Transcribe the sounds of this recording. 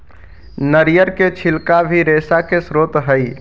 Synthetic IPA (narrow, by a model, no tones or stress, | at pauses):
nəɾijəɾket͡ʃʰilkabʱiɾesakesɾot̪ɦəj